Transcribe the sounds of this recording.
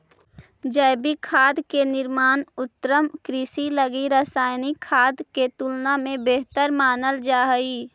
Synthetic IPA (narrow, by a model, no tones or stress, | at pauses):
d͡ʒəːbikʰaːd̪kenɪɾmaːnʊt̪ːɾəmkɾiːsiləɡiɾaːsaːjnikʰːaːd̪ket̪uːlnamẽbeːɦt̪əɾmaːnəld͡ʒaːɦiː